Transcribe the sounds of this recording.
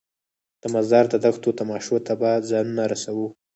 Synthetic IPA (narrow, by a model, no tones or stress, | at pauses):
d̪̥əmazd̪ɑɾd̪əd̪axt̪ot̪amɑʃot̪ʰabazɑnunaɾasawu